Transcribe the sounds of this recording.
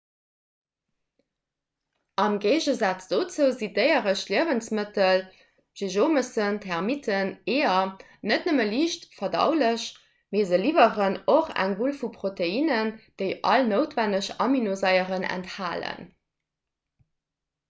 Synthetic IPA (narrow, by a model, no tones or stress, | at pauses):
ʔɑmɡeːʑəzat͡sd̥ot͡suːzidəɪəʁəɕliəvənt͡smətəl | ʒ̥eʒoːməsəntʰɛʁmitʰəneːɐ | nətnəməliːʃtfɐdɑ̰ʊləɕ | meːzəliːvəʁənoχæ̰ŋvulfupʁoteiːnənd̥əɪʔɑ̰lnəʊtvænəɕɑminozɑɪəʁənæ̰nthaːlə̰n